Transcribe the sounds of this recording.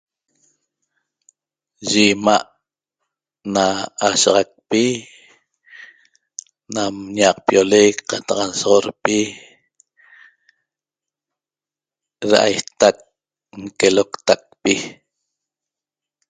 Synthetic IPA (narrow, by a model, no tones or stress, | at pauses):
ʒimaʔ | naːʃaʁɑk̚pi | namɲɑq̚pjolekqɑt̪ɑqnsoʁoɾpi | ɾa̰ʔa̰jt̪ak̚ | ŋkelokt̪ak̚pi